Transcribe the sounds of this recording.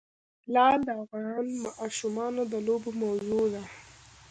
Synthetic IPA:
lɑd̪əafɣɑnmɑʔʃumɑnod̪əlobomawzud̪a

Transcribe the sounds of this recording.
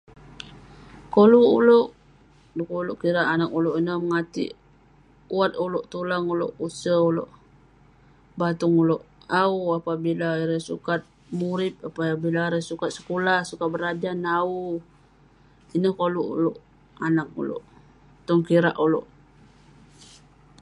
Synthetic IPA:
koluuloʔ | dukuloʔkiɾaʔanak̚uloʔinəhməŋat̪ḭʔ | wat̪̚uloʔt̪ulaŋulo̰ʔusəulo̰ʔ | bat̪ʊŋuloʔauapabilaiɾəsukat̪̚ | muɾɪp̚apaabilaiɾesukat̪̚sə̥kolahsukat̪̚bəɾad͡ʒanau | inəhkoluṵloʔ | anak̚ṵlo̰ʔ | t̪ɔŋkiɾa̰ʔuloʔ

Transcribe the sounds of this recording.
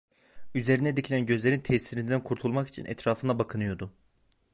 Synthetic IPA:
yze̞ɾinɛd̪icʰilʲænɟø̞zlʲe̞ɾint̪ʰɛsiɾind̪ænkʰuɾt̪ʰulˠmaki̥t͡ʃʰḭnʔɛ̰t̪ɾaːfɯnabakʰɯnɯjo̞ɾd̪ʊ

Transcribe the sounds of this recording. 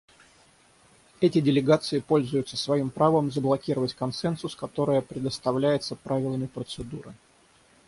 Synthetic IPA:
ɛtʲɪdʲɪlʲɪɡat̪sɨɪpo̞lʲzʊjʊt̪səsvɐimpɾavəmzəblˠɐkʲiɾəvətʲkɐnsɛnsʊskɐt̪o̞ɾəjəpɾʲɪd̪əst̪ɐvlʲæjɪt̪səpɾavʲɪlˠəmʲɪpɾət̪sɨd̪uɾɨ̰

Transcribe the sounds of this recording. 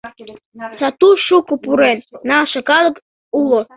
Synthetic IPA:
sɑt̪uʃukopuɾennɑʃɤkɑlˠə̆k | ulo

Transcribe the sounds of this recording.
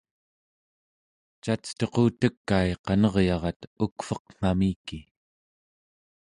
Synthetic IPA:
t͡ʃat͡st̪oqoːt̪əkːaeqɑnʌʁjɑʁɑt̪ukfʌqŋ̥amiːki

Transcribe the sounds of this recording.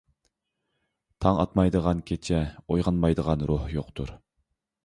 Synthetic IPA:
t̪ʰɑŋɑ̰t̪mɑjd̪əʁɑnkʲʰet͡ʃʰɛojʁɑnmɑjd̪əʁɑnɾohjoqt̪ʰuɾ

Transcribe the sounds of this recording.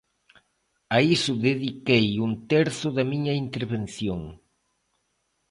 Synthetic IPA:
aisʊðeðikejunt̪ɛɾθʊðɐmiɲɐint̪eɾβen̟θjoŋ

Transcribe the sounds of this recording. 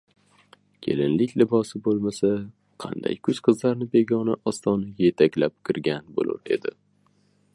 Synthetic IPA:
kʲʰe̞̰lɪnlɪkʲlɪbɒsɪbolˠmasa | qʰɑ̰nd̪a̰jkʰʊz̥qʰɨzlaɾnɪbe̞ɡʲɒnɪʔɒst̪ɒnaje̞t̪ʰakʲlap̚kʰʲɪɾɡʲanbo̰lʊ̰ɾe̞̰d̪ɪ̰

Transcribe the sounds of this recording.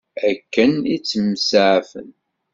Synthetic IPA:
ækːənit͡sːəmsaʕfə̰n

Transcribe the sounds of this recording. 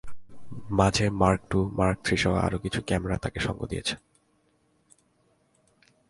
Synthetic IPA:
mad͡ʑʱemaɾk̚ʈumaɾk̚t̪ʰɾiʃɔwa̰a̰ɾokit͡ɕʰukɛmeɾat̪akeʃɔŋɡo̰d̪ijet͡ɕʰe̥n

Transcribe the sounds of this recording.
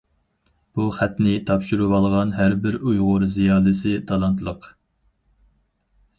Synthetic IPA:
b̥uχæt̪nɪt̪ʰɑpʃuɾuwɑlˠʁɑnɦæɾbɪɾujʁʊɾzijɑːlˠɨsɨt̪ʰɑlˠɑnt̪ʰlˠəq

